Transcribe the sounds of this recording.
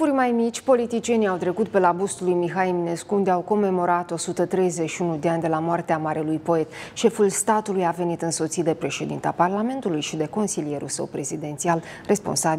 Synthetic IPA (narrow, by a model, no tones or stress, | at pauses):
urʲmajmit͡ʃʲpo̞lit̪it͡ʃije̞niawt̪ɾe̞kut̪̚pe̞labust̪ulujmiɦaimine̞skuund̪eawko̞mːe̞mo̞ɾat̪o̞sut̪ət̪ɾe̞jzet͡ʃʃiunud̪eanʲd̪e̞lamoart̪eamaɾelujpo̞e̞t̪ʃe̞fulst̪at̪ulujave̞nit̪ɨnso̞t̪sit̪̚d̪e̞pɾe̞ʃe̞d̪ḭnt̪eaparlame̞nt̪ulujʃid̪e̞ko̞nsilije̞ɾṵlsə̰wpɾe̞zid̪e̞nt̪sial | re̞spo̞̰nsab